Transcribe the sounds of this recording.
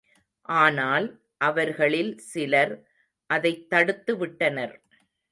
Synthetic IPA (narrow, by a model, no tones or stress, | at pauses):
ʔaːnaːl | ʔɐʋɐɾɣɐɭɪlsɪlɐɾ | ʔɐðɐɪt̪ːɐɽɯt̪ːɯʋɪʈːɐnɐɾ